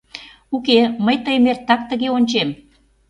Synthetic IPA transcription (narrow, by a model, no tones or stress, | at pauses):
ukeməjt̪əjmert̪ːɑk̚t̪əɣeonʲt͡ɕem